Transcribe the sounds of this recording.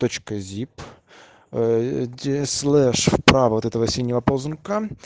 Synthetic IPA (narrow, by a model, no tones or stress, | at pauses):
t̪ot͡ɕkəzʲip | dʲeslˠɛʂfpɾavɐvot̪ɛt̪əvɐsʲilʲːvɐpoznka